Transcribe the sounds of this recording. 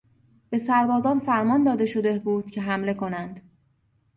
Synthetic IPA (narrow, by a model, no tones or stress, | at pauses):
b̥e̞sæɾbɒːzɒːnfæɾmɒːnd̪ɒːd̪e̞ʃo̞d̪e̞buːd̪̥cʲʰe̞ɦæmle̞kʰo̞nænd̪̥